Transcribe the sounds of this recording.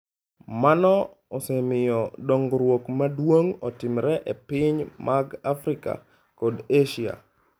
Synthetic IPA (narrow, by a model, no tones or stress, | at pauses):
manɔ | ɔsɛmɪjɔdoŋɡɾwokmadwoŋɔtɪmɾɛʔepɪɲmʔaɡafɾɪka̰ | kodeʃia̰